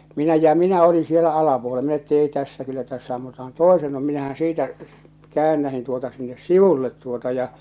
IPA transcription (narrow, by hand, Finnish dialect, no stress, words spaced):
minæ jɑ minæ olin sielæ ɑlɑpuole minæ etː eˑi tæsːæ kylːæ tæsːæ ɑmːutɑhɑn toesenːu minæhæn siːtæ kæːnːæhin tuotɑ sinːes siʋulːet tuotɑ jɑ